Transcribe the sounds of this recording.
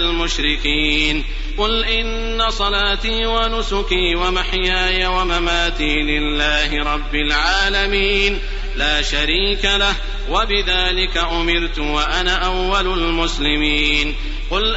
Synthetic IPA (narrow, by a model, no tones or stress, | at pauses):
lmʊʃɾɪkiːn | qʊlʔɪnːasˤɑlaːt̪iːwanʊsʊkiːwamaħjaːjawamamaːt̪iːlɪlːaːhɪɾˤɑbːɪlʕaːlamiːn | laːʃaɾiːkalah | wabɪðaːlɪkaʔʊmɪɾt̪ʊwaʔanaːʔawːalʊlmʊslɪmiːn | qʊl